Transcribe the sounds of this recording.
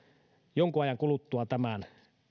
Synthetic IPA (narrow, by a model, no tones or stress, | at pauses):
joŋkuɑjɑŋkulut̪ːuɑt̪æmæn